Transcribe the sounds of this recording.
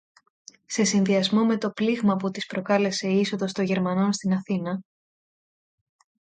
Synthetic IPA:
se̞sinðiɐzmo̞me̞t̪o̞pliɣmɐput̪ispɾo̞kɐle̞se̞iso̞ðo̞st̪o̞ʝe̞ɾmɐno̞nst̪inɐθinɐ

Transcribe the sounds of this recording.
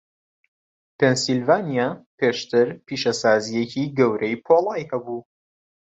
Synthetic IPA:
pensilvaːnijaːpeːʃt̪ʰɪɾpiːʃɐsaːzijeciɡɐwɾʔɐjpʰoːlˠaːjhɐbu

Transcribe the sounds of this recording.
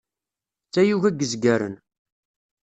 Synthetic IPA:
t͡sːæjuʝæɡːəzɡæɾə̰n

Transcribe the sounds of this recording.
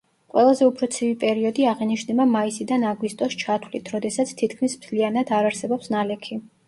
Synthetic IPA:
qʼwɛ̰lˠazɛupʰɾɔt̪sʰivipʼɛɾiɔd̪iaʁɛniʃnɛbamaisid̪anaɡwist̪ʼɔst͡ʃʰat̪ʰwlit̪ʰɾɔd̪ɛsat̪sʰt̪ʰit̪kʰmismzlianad̪aɾaɾsɛbɔpsnalɛkʰi

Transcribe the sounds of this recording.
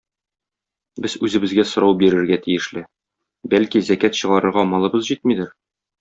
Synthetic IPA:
bɘzʉzɘ̆bɘ̆zɡæsŏɾɑwbiɾɘ̆ɾɡæt̪ijɘ̆ʃlɘ | bælkizækæt̪ɕɤ̆ʁɑɾɤ̆ɾʁɑmɑlˠɤ̆bɤzʑit̪̚mid̪ɘɾ

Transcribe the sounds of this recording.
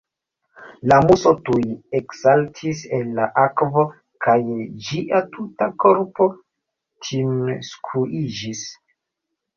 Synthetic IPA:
lamusotujeksaltʰiselːaʔakvo̞ | kajd͡ʒiʔatʰutako̞ɾpo̞ | tʰimskʰuʔid͡ʒis

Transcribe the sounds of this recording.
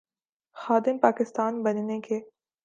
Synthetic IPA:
xaːd̪ɪmpaːkɪst̪aːnbɐnneke

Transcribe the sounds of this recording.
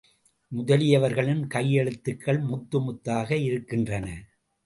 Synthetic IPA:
mʊðɐlɪjɐʋɐɾɣɐɭɪnkɐjːɛɭɯt̪ːɯkːɐɭmʊt̪ːɯmʊt̪ːaːɣɐɪɾɯkːɪndrɐnɐ

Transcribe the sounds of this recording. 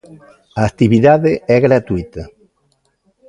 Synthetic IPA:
aːk̚t̪iβiðaðɪɛɣɾat̪uit̪ɐ

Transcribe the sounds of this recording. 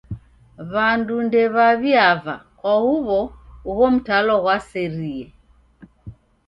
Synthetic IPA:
βandundɛβaβiava̰kɔhuβɔuɣɔm̩talɔɣwasɛɾiɛ

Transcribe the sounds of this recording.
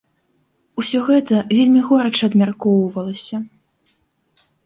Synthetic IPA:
usʲɔɣɛt̪ɐvʲelʲmʲiɣɔɾɐt͡ʂɨɐd̪mʲarkɔwvɐlˠɐsʲɐ

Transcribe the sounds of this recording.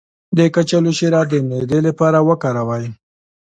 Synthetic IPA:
d̪əkat͡ʃaluʃiɾɑd̪əmed̪elapɑɾawəkaɾawaj

